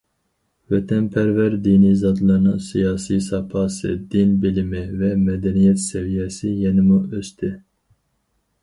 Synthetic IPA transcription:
vɛt̪ʰɛnpʰɛɾvɛɾd̪iːnizɑd̪lɑɾnɑsijɑːsisɑpʰɑsɨ̰d̪inbilimɛvɛmɛd̪ɛnijɛt̪sɛvijɛsijɛnimuʔøst̪ʰi

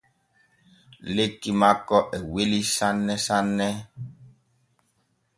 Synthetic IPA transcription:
lekimakɔʔɛwelisanːɛsanɛ

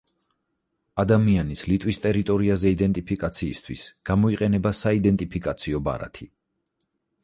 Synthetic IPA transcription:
ad̪amianislit̪ʼwist̪ʼɛɾit̪ʼɔɾiazɛid̪ɛnt̪ʼipʰikʼat̪sʰiːst̪ʰwisɡ̥amɔiqʼɛnɛbasaid̪ɛnt̪ʼipʰikʼat̪sʰiɔba̰ɾa̰t̪ʰi

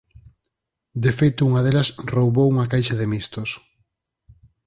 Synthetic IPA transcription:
d̪efejt̪ʊuŋɐðelɐsrowβowuŋakajʃɐðemist̪os

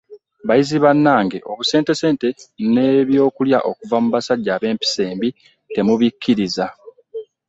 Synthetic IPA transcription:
βajiziβanːaːŋɡe̞ʔo̞βuse̞ːnte̞se̞ːnte̞ne̞ːβjo̞ːkuljaʔo̞kuvamuβasaɟːaːβe̞ːmpi̥se̞ːmbi | te̞muβikʰːiɾiza

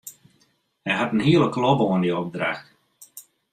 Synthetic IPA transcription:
hɛjɦatənɦiəlˠəklɔbəoəndiɔp̚dra̰xt

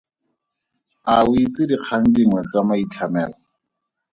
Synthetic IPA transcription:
awit͡sɪdiq͡χʰaŋ̩diŋwɛt͡samait͡ɬʰamɛːlɔ

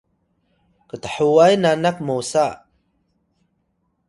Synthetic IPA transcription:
kətəħuwajnanak̚mowsa

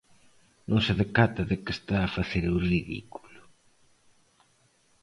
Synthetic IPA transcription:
nõŋsaðekat̪aðekest̪aːfaθeɾuriðḭku̥lʊ̥

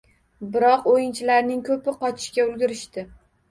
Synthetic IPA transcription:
bɪɾɒqojɪnt͡ʃʰɪlaɾnɪŋkʰɵpɪqʰɒt͡ʃʰɪ̥ʃkʲaʊlɡʲɪɾɪʃt̪ɪ

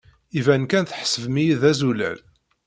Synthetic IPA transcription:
ivænkænθħsəvmijiðæzulæ̰l

